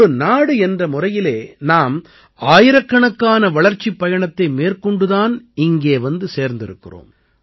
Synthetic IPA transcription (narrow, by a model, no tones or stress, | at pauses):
ɾɯnaːɽɯɛndrɐmʊrɐjɪleːnaːm | aːjɪɾɐkːɐɳɐkːaːnɐʋɐɭɐɾt͡ʃːipːɐjɐɳɐt̪ːɐɪmeːrkɔɳɖɯðaːnɪŋɡeːʋɐnd̪ɯseːɾnd̪ɪɾɯkːɪro̰ːm